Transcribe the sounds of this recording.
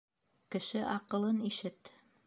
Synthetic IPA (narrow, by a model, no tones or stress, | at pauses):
kɘ̆ʃɘʔɑqɤ̆lˠɤniʃɘt̪